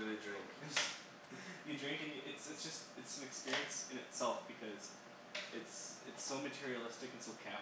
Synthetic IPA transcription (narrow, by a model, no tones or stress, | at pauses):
ɨðɨdɹɪ̃ŋk | jɨdɹɪ̃ŋkɪ̃ŋɨʔɨtsɨtsd̥ʒ̥ʌst̚ɨtsʌ̃mɨkspɪɹiɨ̃nsɨ̃nɨtsɛlˠfb̥ɨkʰʌz | ɨtsɨtsoʊmɨtʰɪɹiɨlˠɪstɨkɨ̃n̩soʊkʰæ